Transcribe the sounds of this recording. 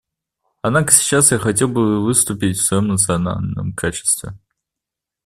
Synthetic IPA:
ɐd̪nakə̥sʲi̥t͡ɕasjaxɐtʲe̞lˠbɨvɨst̪upʲitʲfsvɐjo̞mnət̪sɨɐna̰lʲnə̰mkʰat͡ɕɪ̥st̪vʲɪ̰

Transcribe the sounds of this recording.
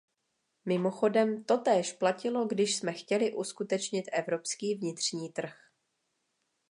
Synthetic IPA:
mɪmoxo̞dɛmt̪o̞t̪ɛːʃplacɪlo̞ɡdɪʃsmɛxcɛlɪʔuskut̪ɛt͡ʃɲɪt̪ʔɛvɾo̞pskiːvɲɪt̪r̝̥ɲiːt̪r̩x

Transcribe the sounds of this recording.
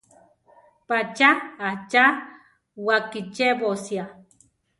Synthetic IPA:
pat͡ʃaːht͡ʃa | wakit͡ʃeβosja

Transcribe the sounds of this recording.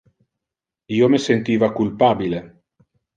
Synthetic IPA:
iːomesent̪iːvakulpaːbile

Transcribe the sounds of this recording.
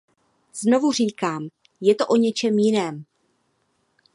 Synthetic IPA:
z̥no̞vur̝iːkaːm | jɛt̪o̞ʔo̞ɲɛt͡ʃɛmjɪnɛːm

